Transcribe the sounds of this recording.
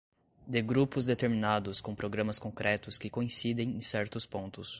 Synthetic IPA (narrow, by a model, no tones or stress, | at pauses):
d̪ɪɡɾupʊzd̪et̪eɾminad̪ʊskõpɾoɡɾɐ̃mɐskõkɾʔɛt̪ʊskɪkõĩsid̪ẽj̃ẽj̃sɛɾt̪ʊspõnt̪ʊs